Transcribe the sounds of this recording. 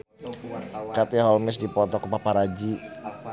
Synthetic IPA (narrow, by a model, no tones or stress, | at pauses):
kat̪iɦɔlmɪs̬dipɔt̪ɔkupapaɾad͡ʒi